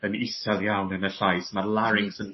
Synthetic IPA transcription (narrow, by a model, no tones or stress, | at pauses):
ənɪsɛlˠjawnənəɬajsmalˠaɾɪŋsən